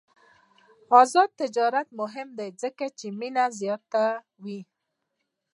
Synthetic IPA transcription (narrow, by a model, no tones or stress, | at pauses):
ɔzɔd̪̚t̪ːɪd͡ʒɔɾat̪̚mʊɦɪmd̪ejzɪkat͡ʃiminazjɔɾt̪a | wi